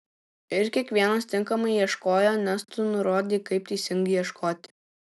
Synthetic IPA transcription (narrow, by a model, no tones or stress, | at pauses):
ɪɾkʲiɛkʋʲiɛnɐst̪ʲɪŋˑkɐmɐɪjiɛʃkoːjoːnʲɛst̪ʊnʊɾoːd̪ʲiːkɐɪpt̪ɐɪsʲɪŋɡɐɪjiɛʃkoːt̪ʲɪ̥